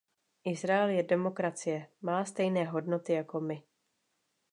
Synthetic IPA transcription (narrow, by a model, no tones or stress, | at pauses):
ʔɪzɾaɛljɛdɛmo̞kɾat͡sɪjɛmaːst̪ɛjnɛːɦo̞dno̞t̪ɪjako̞mɪ